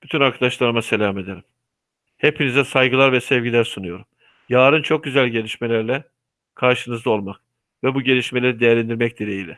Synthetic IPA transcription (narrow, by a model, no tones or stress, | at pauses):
b̥yt̪ʰynaɾkʰad̪aʃlˠaɾɯmase̞lʲaːme̞d̪eɾim | he̞pʰinizɛsajɡɯlˠaɾvɛsɛvɟilʲæɾsunujo̞ɾum | jaːɾɯnt͡ʃʰo̞k̚ɟyzælʲɟe̞lʲiʃmelʲæɾlʲɛ | kʰaɾʃɯnɯzd̪ao̞lˠmak̚ | vɛbuɟe̞lʲiʃme̞lʲeɾid̪e̞jɛɾlʲænd̪iɾmɛc̚d̪iɾejilʲɛ